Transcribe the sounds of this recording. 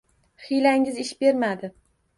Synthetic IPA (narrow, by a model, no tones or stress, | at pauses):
χɪjlaŋɪzɪʃbe̞ɾmad̪ɪ